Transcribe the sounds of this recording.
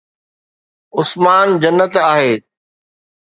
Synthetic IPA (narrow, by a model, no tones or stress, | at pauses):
ʊsmaːnd͡ʑɐnːət̪aːɦeː